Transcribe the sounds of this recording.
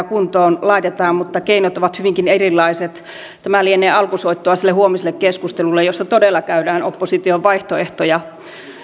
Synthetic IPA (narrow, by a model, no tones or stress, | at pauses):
kunt̪oːnlɑit̪et̪ɑːmmut̪ːɑkeinot̪oʋɑt̪hyʋiŋkinerilːˑɑiset̪ | t̪æmælieneːɑlkusoit̪ːoɑsilːehuomisilːekkeskust̪elulːejjosːɑt̪odelːˑɑkæydæːnopːosit̪ioʋʋɑiht̪oeht̪ojɑ